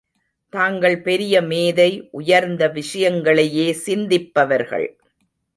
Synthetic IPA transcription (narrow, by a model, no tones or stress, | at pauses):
t̪aːŋɡɐɭpɛɾɪjɐmeːðɐɪʔʊjɐɾnd̪ɐʋɪʂɐjɐŋɡɐɭɐjeːsɪnd̪ɪpːɐʋɐɾɣɐ̰ɭ